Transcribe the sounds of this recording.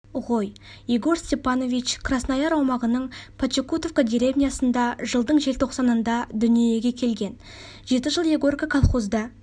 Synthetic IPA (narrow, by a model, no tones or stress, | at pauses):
ʁo̞j | jeɡo̞ɾsʲt̪ʲe̞pɑno̞vit͡ʃkʰrasnɑjɑɾɑwmɑʁənəɴpʰat͡ʃekut̪ofkad̪ʲiɾʲe̞vnʲijasənd̪ɑʒəlˠd̪əɴʒe̞lt̪ʰo̞qsɑnənd̪ɑd̪ʏnijeɡʲe̞kʲʰe̞lɡʲe̞n | ʒe̞t̪əʒəlˠjeɡo̞rkakʰalˠχo̞zd̪ɑ